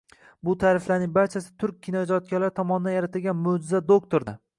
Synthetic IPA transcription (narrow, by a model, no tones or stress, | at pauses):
bʊt̪ʰaːɾɪflaɾnɪŋbaɾt͡ʃʰasɪ̥t̪ʰʊɾk̚ʲʰːɪnɒd͡ʒɒt̪̚kʲalaɾt̪ʰɒmɒnɪd̪anjaɾat̪ʰɪlɡʲanmʊd͡ʒɪzad̪okt̪ʰoɾd̪a